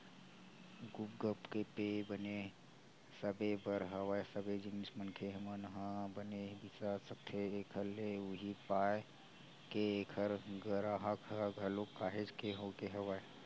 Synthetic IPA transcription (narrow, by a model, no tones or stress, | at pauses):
ɡupɡəpkepeːbəne | səbebəɾɦəʋajsəbed͡ʒɪnismənkʰeɦəmənəɦãbənebisasəkt̪ʰeːkʰəleʊɦipaːe | keeːkʰəɾɡəɾaɦəkɦəɡʱɐlokːaːɦed͡ʒkeɦokeɦɐʋae